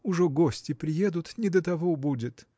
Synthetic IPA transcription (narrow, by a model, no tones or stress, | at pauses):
ʊʐɛɡosʲtʲɪpɾʲɪjed̪ʊt̪nʲɪd̪ət̪ɐvobudʲɪt̪